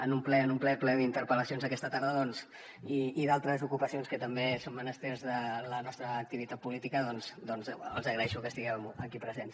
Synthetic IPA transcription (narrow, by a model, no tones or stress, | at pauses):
ənumplɛənumplɛplɛðint̪əɾpələsionzðəkɛst̪ət̪aɾð̞əðɔnz | iːðalˠt̪ɾəzukupəsionskət̪əmbesommənəst̪eɾzðələnɔst̪ɾəːk̚t̪iβit̪at̪̚pulit̪ikəðɔnzd̪ɔnzə̰lˠzəɣɾəɛʃukəst̪iɣɛwməkipɾəzens